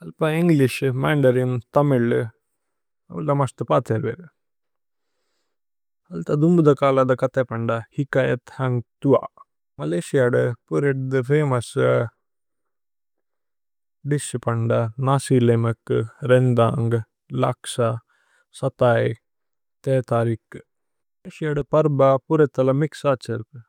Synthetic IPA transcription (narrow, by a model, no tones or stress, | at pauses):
ɐlpaiŋɡliʃmaːɳɖɐɾint̪ɐmil | ɐʋd̪ɐmɐst̪ɨpaːt̪ɐɾʋḛɾ | ɐlt̪ɐd̪umbd̪ɐkaːlɐd̪ɐkɐt̪epɐɳɖahikaːjɐt̪hɐŋɡt̪ua̰ | mɐleːʃijaɖɨpuɾeʈ̚d̪ɨfʰeːmɐs | ɖispɐɳɖanaːsiːlemɐkɾend̪aːŋɡ | la̰ksa | sɐt̪aːj | t̪ɛːt̪aːɾik | eːʃijaɖpɐɾbapuɾet̪ɐlɐmiksaːt͡ʃɐɾk